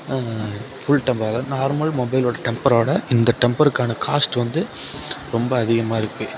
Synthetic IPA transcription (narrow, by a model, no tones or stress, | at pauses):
fʊɭʈɛmbaːðɐnaːɾmɐlmɔbɐɪloːɽɐʈɛmpɐɾoːɽɐʔɪnd̪ɐʈɛmpɐɾɯkːaːnɐkaːsʈʋɐnd̪ɯɾɔmbɐːðɪɣɐmaːɪɾɯkːɯ